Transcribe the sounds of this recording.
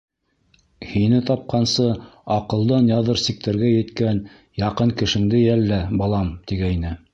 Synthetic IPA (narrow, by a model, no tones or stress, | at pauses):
hinɘt̪ɑp̚qɑnsɤɑqɤ̆lˠd̪ɑnjɑðɤɾsik̚t̪æɾɡæjɘ̆t̪kæn | jɑqɤɴkɘ̆ʃɘ̆ŋd̪ɘjælːæbɑlˠɑmt̪iɡæjnɘ